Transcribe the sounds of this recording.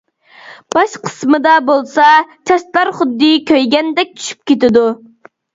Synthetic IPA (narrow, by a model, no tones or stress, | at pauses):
b̥ɑʃqʰə̥smɨd̪ɑbolˠsɑt͡ʃʰɑʃt̪lˠɑɾχʊd̪ːɨkʲʰøjɡʲɛnd̪ɛk̚ʲt͡ʃʰy̥ʃy̥p̚kʲet̪ɪd̪u